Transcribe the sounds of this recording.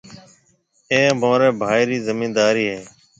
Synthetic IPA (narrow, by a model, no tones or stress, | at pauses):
eːmõːɾeːbʱaːjɾiːzəmiːnd̪aːɾiːɦeː